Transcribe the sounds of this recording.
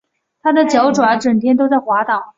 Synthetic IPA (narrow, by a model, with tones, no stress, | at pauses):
t̪ʰa˥d̪ə˨t͡ɕjɑ˧˥ʊʈ͡ʂwa˧˥nʈ͡ʂə˨˩ŋt̪ʰjɛ˥nt̪o˥ʊt͡sa˥˩ɪxwa˧˥t̪ɑ˨˩˦